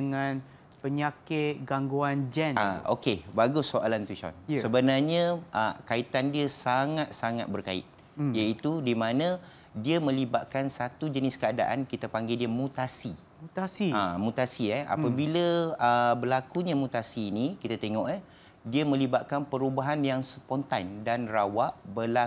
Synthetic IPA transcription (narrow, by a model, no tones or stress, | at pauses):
əŋãn | pəɲakɪt̪̚ɡaŋɡuand͡ʒɛnaʔo̰kebaɡusːoʔa̰lant̪ut͡ʃɔ̰nsəbənarɲãʔəkait̪andiəsaŋat̪̚saŋa̰t̪̚bərkaɪ̰t̪̚ | jait̪udimãnã | diəmə̃libaʔ̪̚kansat̪ud͡ʒənɪskəada̰ʔa̰nkit̪apaŋɡediəmut̪asi | t̪asiamut̪asiɛa̰pabiləəbəlakuɲãmut̪asiːnikit̪at̪eŋɔʔa | diəmə̃libaʔ̪̚kanpəɾubaɦanjaŋsəpɔnt̪andanrawaʔbəla